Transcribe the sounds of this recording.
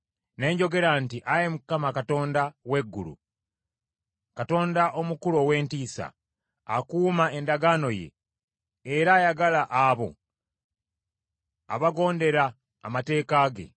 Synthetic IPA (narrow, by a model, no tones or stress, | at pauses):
ne̞ːɲɟo̞ɡe̞ɾantiʔajemukamakato̞ːndawe̞ɡːulṵ | kato̞ːndaʔo̞mukulowe̞ːntiːsa̰ | a̰kuːmae̞ndaɡaːno̞je̞̰ː | ɾaːjaɡalaʔaβo̞̰ | a̰βaɡo̞ːnde̞ɾa̰ː | mate̞ːkaːɡe̞̰